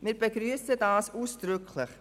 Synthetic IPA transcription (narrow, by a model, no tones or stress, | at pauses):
mɪːɾbəɡɾyəsədaːsuːsd̥ɾʏkʰlɪχ